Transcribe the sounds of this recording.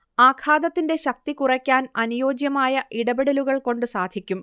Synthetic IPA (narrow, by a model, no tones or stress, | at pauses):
aːkʰaːd̪ɐt̪ːinde̞ɕɐk̚t̪ikurɐkʲːaːnɐnujo̞ːd͡ʑjɐmaːjɐʔiɽɐbeɽɐluɣɐɭko̞ɳɖɨsaːd̪ʱikʲːum